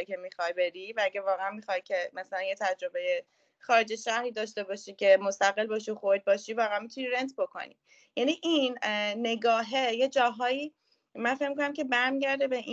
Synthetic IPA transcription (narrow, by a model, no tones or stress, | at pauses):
kʰe̞mixɒjbe̞ɾivææɡævɒːɣeænmixɒjcʰe̞mæsælænjet̪ʰæd͡ʒɾo̞be̞je | xɒːɾe̞d͡ʒeʃæhɾiːd̪ɒːʃt̪e̞bɒːʃiːcʰe̞mo̞st̪æɣe̞lbɒːʃioxoɾd̪̚bɒːʃivɒːɣeænmit̪ʰuniɾent̪ʰbo̞kʰo̞̰nḭ | jæniʔinːe̞ɡɒːɦejed͡ʒɒːɦɒːiː | mænfe̞cmikʰonæmcʰe̞bæɾmiɟæɾd̪ebei